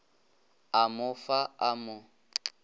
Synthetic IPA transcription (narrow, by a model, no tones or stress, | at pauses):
amʊfaamʊ